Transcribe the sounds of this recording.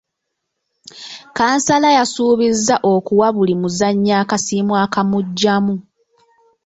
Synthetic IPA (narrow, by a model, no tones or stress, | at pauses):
kaːnsalajasuːβizːaʔo̞kuwaβulimuzaɲːaːkasiːmwaːkamuɟːamu